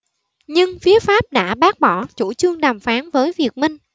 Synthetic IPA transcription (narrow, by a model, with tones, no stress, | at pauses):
ɲɨ˧ŋfi˨˦əfaː˦˥p̚ɗa̰ː˧˥ɓaː˦˥k̚ɓɔ˧˩t͡ɕṵ˧˩t͡ɕɨ˧əŋɗaː˨˩mfaː˨˦nvəː˨˦jvi˨˩ək̚mï˧ŋ̟